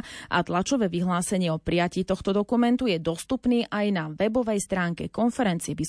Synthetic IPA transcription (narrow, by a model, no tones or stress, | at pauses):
ʔa̰t̪lat͡ʃɔʋɛːʋiɦlaːsɛɲɪɛɔpɾijaciːt̪ɔxt̪ɔd̪ɔkumɛnt̪ujɛd̪ɔst̪upniːʔajnaʋɛbɔʋɛjst̪ɾaːŋkɛkɔnfɛɾɛnt͡siɛbi